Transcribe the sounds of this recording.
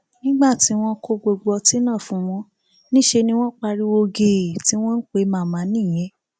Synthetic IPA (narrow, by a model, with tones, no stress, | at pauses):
nĩ˦ɡ͡ba˦˨ti˨˦w̃ɔ̃˦ko˧ɡ͡bo˧ɡ͡bɔ˧ti˦nã˦˨fũ˨˦w̃ɔ̃˧˦ | nĩ˦ʃe˧nĩ˧w̃ɔ̃˦k͡pa˧ɾi˦wo˧ɡe˨ti˨˦w̃ɔ̃˦n̩˦k͡pe˧˦mãː˨˦˨mã˨˦nĩ˦˨jɛ̃˨˦